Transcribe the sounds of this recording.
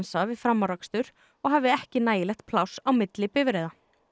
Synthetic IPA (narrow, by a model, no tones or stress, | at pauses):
nsavɪðfɾamːaɾakst̪ʏɾ̥ | ɔɣɦavðɪɛhcɪnaːjɪlɛxt̪̚pʰlawsawmɪt̪lɪpɪvɪɾɛːjða